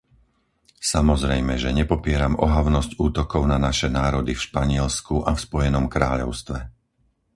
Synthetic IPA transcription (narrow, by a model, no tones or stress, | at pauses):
samɔzɾɛjmɛʒɛɲɛpɔpɪɛɾamɔɦaʊnɔscuːt̪ɔkɔʊnanaʃɛnaːɾɔd̪ifʃpaɲɪɛlskuʔafspɔjɛnɔmkɾaːʎɔ̰ʊst̪ʋɛ